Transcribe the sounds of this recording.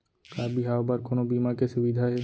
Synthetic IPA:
kaɾbiɦaobaɾkonobimakeʃubid̪ʱaɦɛ

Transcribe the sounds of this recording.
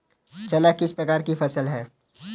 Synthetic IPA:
t͡ʃɐlakɪspɾɐkaːɾkifɐsəlɦɛː

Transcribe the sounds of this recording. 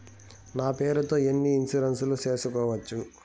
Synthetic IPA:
naːpe̞ːɾut̪o̞ːenːiːnsuɾɐnsuluse̞ːsukɔːʋɐt͡ʃːu

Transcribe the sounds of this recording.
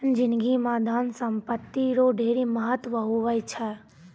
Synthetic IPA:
nd͡ʒɪnɡimãd̪ʱaːnsəmpət̪ːiɾoɖʱeːɾiməɦət̪ʋəɦoʋəjt͡ʃʰɛ

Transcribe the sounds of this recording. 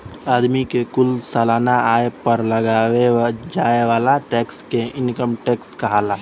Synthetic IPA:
aːd̪mikekʊlsaːlaːnaaːjepəɾləɡawed͡ʒaːeʋaːlaʈɛːkskeɪnkəmʈɛːkskəɦaːla

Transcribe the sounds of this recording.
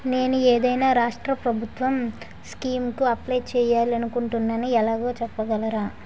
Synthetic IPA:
ne̞ːnueːd̪ɐjnaːɾaːʂʈɾɐpɾɐbʱut̪ʋɐm | skiːmkuɐplɐjt͡ʃɛːjaːliɐnukuɳʈunːaːniɛlaːɡo̞ːt͡ʃɛpːɐɡɐlɐɾaː

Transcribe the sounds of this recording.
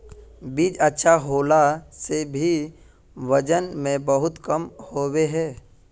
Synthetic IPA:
biːd͡ʒɐtːʃʰaɦoːlasebʱi | ʋɐd͡ʒənmẽbɐɦʊt̪kəmhoːweɦɛː

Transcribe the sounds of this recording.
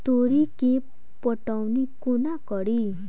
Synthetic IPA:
t̪oɾikẽp | pɔʈawnikunakɔɽi

